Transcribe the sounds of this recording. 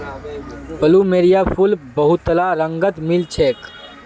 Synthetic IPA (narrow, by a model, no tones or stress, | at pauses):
pəlumeːɾijaːpʰulbɐɦut̪ːəlaːɾəŋɡət̪milt͡ʃʰeːk